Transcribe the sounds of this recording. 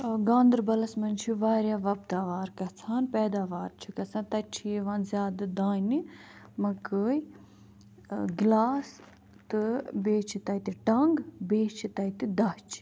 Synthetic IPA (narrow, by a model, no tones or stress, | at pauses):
ɡãːnd̪ɨɾbɐlɐsmɐnt͡ʃʰiʋaːɾjaːʋɐp̚t̪aːʋaːɾkɐt͡sʰaːnpɛːd̪aːʋaːɾt͡ʃʰikɐt͡sʰãːt̪ɐt͡ʃʰieʋãːnzʲjaːd̪ɨd̪aːni | mɐkəːj | ɡlaːs | t̪ɨbeːt͡ʃʰit̪ɐjt̪iʈɐŋɡbeːt͡ʃʰit̪ɐjt̪id̪ɐt͡ʃʰi̥